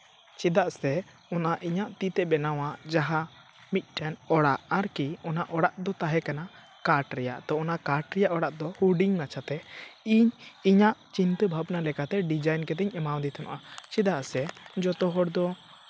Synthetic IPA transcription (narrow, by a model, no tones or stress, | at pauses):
t͡ʃɛd̪aʔsɛ | ɔnaʔiɲaʔt̪it̪ɛbɛnawaʔd͡ʒaɦa | mit̪̚ˀʈɛnɔɽaʔaɾkiɔnaʔɔɽaʔd̪ɔt̪aɦɛkana | kaɾʈɾɛja̰ʔt̪ɔɔnakaɾʈɾɛjaʔɔɽaʔd̪ɔhuɖiŋnat͡ʃʰat̪ɛiɲiɲaʔt͡ʃint̪əbʱabnalɛkat̪ɛɖid͡ʒajnkɛt̪ɛɲɛmaw̃nd̪it̪ʰɔnɔ̰ʔat͡ʃid̪aʔsɛd͡ʒɔt̪ɔɦɔɽd̪ɔ